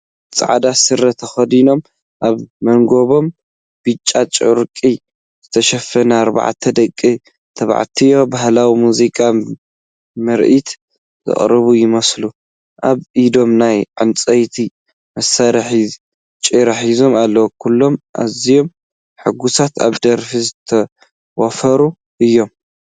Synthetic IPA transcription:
t͡sʼʕa̰d̪asɨɾɐt̪ʰɐxɐd̪ino̞m | ʔaβmɐŋɡo̞βo̞m | b̥ɨt͡ʃʼːat͡ʃʼʊṵɾkʼi | z̥ɨt̪ʰɐʃɐfːɐnaːɾba̰ʕt̪ʰɐd̪ɐkʼːi | t̪ʰɐβa̰ʕt̪ʰijobaɦlawimuzikʼa | mɐɾʔit̪ | zɨ̰χʼɾɨβujɪmɐslu | ʔaβʔid̪o̞mnajʕɨnt͡sʼɐjt̪ʰi | mɐsaɾħi | t͡ʃʼiɾaħizo̞malːɐwkʰulːo̞mʔa̰zijo̞m | ħɨɡusat̪ʰa̰βd̪ɐɾfizɨt̪ʰɐ | wɐfɐɾu | ʔɨjːo̞m

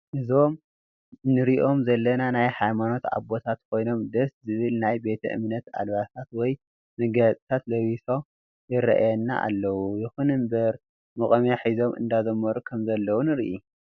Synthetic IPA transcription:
ʔɨzo̞m | nɨɾiʔo̞mzɐlːɐnanajhajmano̞t̪a̰bo̞t̪ʰat̪kʰo̞jno̞md̪ɐszɨβɨlnajbe̞t̪ʰɐ̰ʔɨ̰mnɐt̪a̰lβasʰat̪wɔj | mɨɡɐt̪ʼt̪ʰat̪lɐwiso | jɪɾɐ̰ʔjɛnːa̰ʔa̰lːɐwujɪxunɨmbɐɾ | mɨkʼɐmaħizo̞mʔɨ̰nd̪azɐmːɐɾukʰɐmzɐlːɐwunɨɾʔu

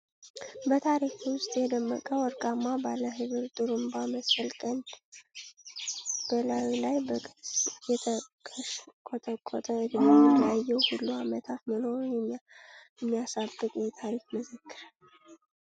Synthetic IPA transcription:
bət̪ʰaɾikwʊst̪ʼjɛd̪əmːə̰kʼəwɔɾkʼamːabalːəɦɨβɨɾt̪ʼɨɾumbaməsfəlkʼən | b̥əlawlajbəkʼɨsjɛt̪ʰəkʼʰəkʼot̪ʰʼəkʼːɔt̪ʼəɨd̪nonːijajːɛwhulːuamət̪ʰat̪məno̞ɾujɛ | jɛmːijasabːɨkʼjɛt̪ʰaɾikməzəkːɨɾ

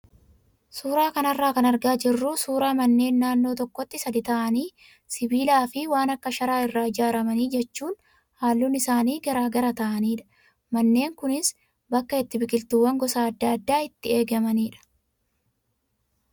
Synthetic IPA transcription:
suːɾaːkɐnɐrːaːkɐnɐɾɡaːd͡ʒɪrːusuːɾaːmɐnːe̞ːnːaːnːo̞ːt̪ɔkːɔt̪ːɪsɐd̪ɪt̪ɐʔɐniː | sɪbiːlaːfɪwaːnɐkːɐʃɐɾaːɪrːaːɪd͡ʒaːɾɐmɐniːd͡ʒɛt͡ʃːuːn | haːlːunɪsaːniːɡɐɾaːɡɐɾɐt̪ɐʔɐniːᶑɐ̥ | mɐnːe̞ːŋkʊnɪs | bɐkːɐɪt̪ːɪbɪkɪlt̪uwːɐŋɡɔsaːɐd̪ːɐɐd̪ːaːɪt̪ːɪe̞ːɡɐmɐniːᶑɐ̥

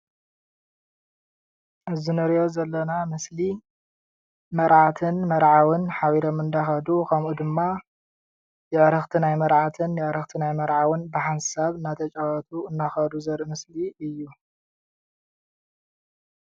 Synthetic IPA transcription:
ʔɨzinɨɾjo̞zɐlːɐnamɐsli | mɐɾʕat̪ʰɨnmɐɾʕawɨnħawiɾomɨnd̪axɐd̪ukʰɐmʔud̪ɨmːa | jɨʕɾɨxt̪ʰɨnajmɐɾʕat̪ʰɨnjɨʕɾɨxt̪ʰinajmɐɾʕawɨnbɨħansaβɨnat̪ʰɐt͡ʃʼawɐt̪ʰuɨnːaxɐd̪uzɐɾʔɨmɐsliɨjːu

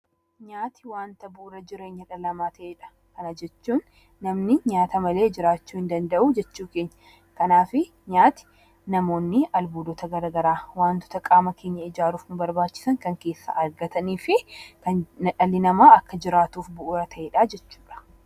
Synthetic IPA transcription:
ɲaːt̪ɪ̥waːnt̪ɐbʊʔʊɾɐd͡ʒɪɾeːɲːɐᶑɐlɐmaːt̪ʰɐʔeːᶑɐ̥ | kɐnɐd͡ʒɛt͡ʃːuːnː | ɐmnɪɲaːt̪ɐmɐleːd͡ʒɪɾaːt͡ʃːuːɪnd̪ɐnd̪ɐʔuːd͡ʒɛt͡ʃːuːke̞ːɲːɐ | kɐnaːfɪ | ɲaːt̪ɪ̥ | nɐmo̞ːnːɪʔɐlbuːd̪ɔt̪ɐɡɐɾɐːɡɐɾaːwaːnt̪ʊ̥t̪ɐkʼaːmɐkʰe̞ːɲːɐɪd͡ʒaːɾuːfnʊbɐɾbaːt͡ʃːɪ̥sɐŋkɐŋke̞ːsːa̰ɐɾɡɐt̪ɐniːfɪkɐnɐᶑɐlːɪnɐmaːɐkːɐd͡ʒɪɾaːt̪uːfbʊʔʊɾɐt̪ʰɐʔeːᶑaːd͡ʒɛt͡ʃːuːᶑɐ̥

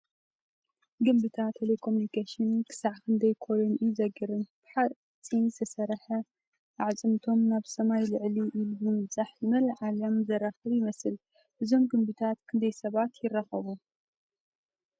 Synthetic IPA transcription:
ɡɨmbɨt̪ʰat̪ʰːelekʰomunikʰeʃɨnkʰɨ̥saʕkʰɨnd̪ɐjkʰolonizɐɡɨɾɨnb̥ɨħa | t͡sʼːinzɐsɐɾħɐ | ʔaʕt͡sʼɨmt̪ʰo̞mnaβsɐmajlɨʕliʔilumɨmɨt͡sʼaħɨmɐlʕalɐmzɐraxɐβjɪmɐsɨl | ʔɨzo̞mɡɨmbɨt̪ʰat̪kʰɨnd̪ʰɐjsɐβat̪jɪrːɐxɐβu

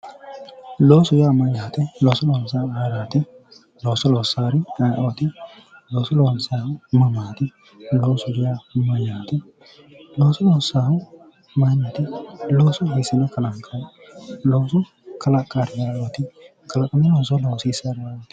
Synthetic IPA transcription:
loːsʊjɪjaːmɐjaːt̪ɛloːsɔlɔwnsaːaɾaːt̪ɪ | loːsɔloːsaːɾɪɐjʔoːt̪ɪ | loːsɔlownsaːhʊmɐmaːt̪ɪ | loːsʊɡɪjamɐjaːt̪ɛ | loːsɔloːsaːhʊ | mɐjnat̪ɪloːsɔɦisɐnɐkɐlakʼːɐ | loːsʊ | kʰɐlakʼːaɾɪjaɾot̪ɪ | kʰɐlɐkʼːɐmɛloːsɔloːsiːsaɾɪwat̪ɪ̥

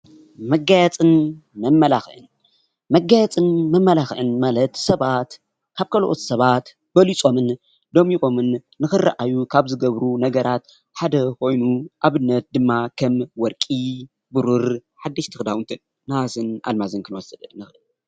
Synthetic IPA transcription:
mɐɡajat͡sʼɨnmɐmːɐlaxʔɨn | mɐɡːajat͡sʼɨnmɐmːɐlaxʔɨnmalɐt̪sɐβat̪ | kʰaβkʰɐloʔot̪sɐβat̪ | b̥ɐlit͡sʼo̞mɨn | d̪omiʔo̞mɨnː | ɨxɨrːa̰ʔajukʰaβzɨɡɐβɾunɐɡɐɾat̪ | ħad̪ɐkʰo̞jnuʔaβɨnːɐt̪̚d̪ɨmːakʰɐmwɔɾkʼi | bɨɾuɾħad̪ːɨʃt̪ʰɨxd̪awɨnt̪ʰɨnːazɨnʔa̰lmazɨnkʰɨnwɔsɨd̪ɨnɨxʔɨl

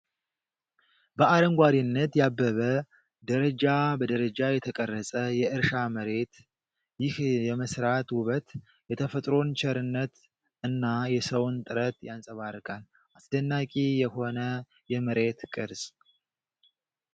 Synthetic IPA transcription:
bəaɾəŋɡʷaɾinːət̪jabːəβə | d̪əɾəd͡ʒabəd̪əɾəd͡ʒajɛt̪ʰəkʼərːəsʼəjɛʔɨɾʃaməɾe̞t̪ | jɪhjɛməsɾat̪wʊβət̪ | jɛt̪ʰəfət̪ʼɾo̞nt͡ʃʰɛɾɨnːət̪ | ɨnːajɛsəwnt̪ʼɨɾət̪jansʼəβaɾɨkʼal | ʔasd̪ənːakʼijɛho̞nə | jɛməɾe̞t̪kʼɨɾs

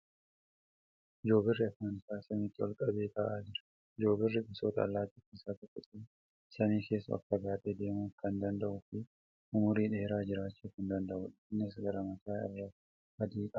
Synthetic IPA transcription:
ʔɪd͡ʒo̞ːbɪrːɪɐfaːnɪsaːsɐmit̪ːɪwɔ̰lkʼɐbe̞ːk̪aːʔaːd͡ʒɪɾɐ̥ | ɪd͡ʒo̞ːbɪrːɪbɪsoːt̪ɐ̰ːlːaːt̪it̪ːɪsak̪ɪkʼːʊt̪ʼi | sɐniːke̞ːsːʊ̰ʔɐ̰kːɐɡaːt̪ʼed̪e̞ːmuːkɐnd̪ɐnd̪ɐʔʊfɪ | ʔʊmʊɾiːᶑe̞ːɾaːd͡ʒɪɾaːt͡ʃːuːfʊnd̪ɐnd̪ɐʔʊᶑnːɪsɡɐɾɐmɐsaːɪ̰rːa | hɐd̪iːkʼɐ

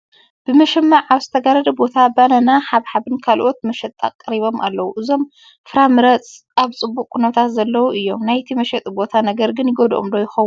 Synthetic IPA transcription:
b̥ɨmɐʃɛmːaʕaβzɨ̥t̪ʰɐɡaɾɐd̪ɐbo̞t̪ʰabanɐnaħaβħaβɨnkʰalʔo̞t̪̚mɐʃɛt̪ʼːa̰kʼːɐɾiβo̞mʔa̰lːɐwuʔɨzo̞m | fɨɾamɨɾɐt͡sʼ | aβt͡sʼɨbːukʼːunɐt̪ʰat̪zɐlːɐwuʔɨjːo̞mnajt̪ʰimɐʃɛt̪ʼbo̞t̪ʰanɐɡɐɾɡɨnjɪɡod̪ʔomd̪ojɪxɐwːu

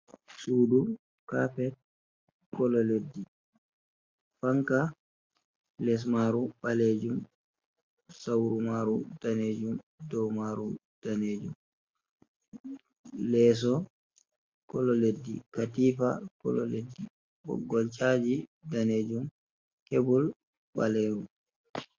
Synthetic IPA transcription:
suːdu | kafɛt | kɔlɔledːi | faŋka | lɛs̬maɾuɓaleːd͡ʒum | sawɾumaɾud̥aneːd͡ʒumdɔwmaɾu | d̥aneːd͡ʒum | lɛːs̬ɔ | kɔlɔledːḭkatiːfakɔ̰lɔ̰ledːi | bɔ̰ɡːɔlt͡ʃʼaːd͡ʒidaneːd͡ʒum | kebul | ɓaleːɾum

